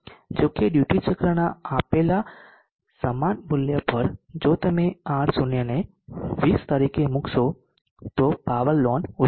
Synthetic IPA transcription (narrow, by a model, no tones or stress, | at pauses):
d͡ʒokeɖjuʈit͡ʃəkɾəɽ̃aapela | səmanmʊljəpəɾd͡ʒot̪əmeãɾsunjəne | ʋiːst̪əɾikemʊkso | t̪opaʋəlːonu